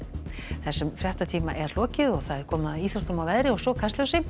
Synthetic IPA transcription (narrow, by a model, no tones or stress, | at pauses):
θɛsːɛmfɾjɛht̪at̪ʰiːmaʔɛɾ̥lɔːcɪðɔɣθaðɛɾ̥kʰɔːmnaðiːθɾɔht̪ɔmawvɛðɾɪɔɣsɔkʰast̪œwsɪ